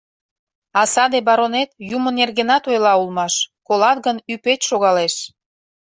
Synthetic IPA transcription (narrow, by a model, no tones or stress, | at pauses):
ɑsɑd̪ebɑɾonet̪jumənːerɣenɑt̪ojlɑulmɑʃkolɑt̪ɣənypet̪ʲʃoɣɑleʃ